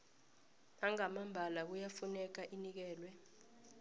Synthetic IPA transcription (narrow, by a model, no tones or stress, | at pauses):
aŋamambʱalak̬ujafunɛk̬aʔinik̬ɛːlwɛ